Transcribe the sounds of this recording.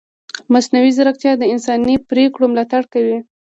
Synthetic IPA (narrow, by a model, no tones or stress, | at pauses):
masnawizaɾakt̪jɑd̪əɪnsɑnipɾekɽomlɑt̪aɽkawi